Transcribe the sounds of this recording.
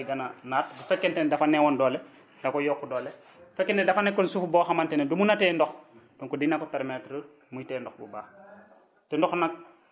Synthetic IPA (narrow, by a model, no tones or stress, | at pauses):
ɡananatbufɛkːentɛndafanːewɔndɔːle | dakɔjɔkːudɔːle | bfɛkːenɛdafanekːɔnsufubɔxamantɛnɛdumunatɛndɔxd̥ɔŋkɔdinakɔpeɾmetɾə | mujitɛndɔxbṵbaː | tɛndɔxnak̚